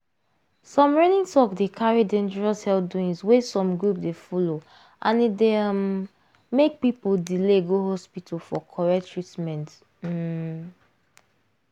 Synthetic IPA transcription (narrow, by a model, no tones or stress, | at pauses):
sɔ̃mɹɛnĩŋtɔkdekʰaɹidɛ̃nd͡ʒɛɹashɛlduĩŋswesɔ̃mɡɹupdefɔlo | ʔãnidemː | ek̚pipuldileɡoɦɔspitʰafɔkʰɔɹɛktʰɹitmɛ̃nt̩